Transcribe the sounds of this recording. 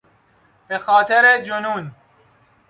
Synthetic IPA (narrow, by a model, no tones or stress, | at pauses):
b̥exaːt̪ʰeɾed͡ʒʊnuːn